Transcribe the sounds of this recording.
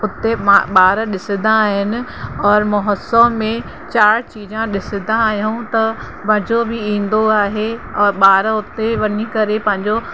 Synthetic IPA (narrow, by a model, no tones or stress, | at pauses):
ʊt̪eɓaːɾɗɪsɪd̪ãːɦɪnɪ̆ɔːɾmʊɦəsəmmẽ | t͡ɕaːɽt͡ɕiːd͡ʑãɗɪsɪd̪ãaːɦijũt̪ɐ | bɐɦɪ̃d͡ʑobʱɪĩːn̆d̪oaːɦeɔːɾɓaːɾʊt̪eʋɐnikɐɾepɐ̃ɦɪ̃ɲd͡ʑo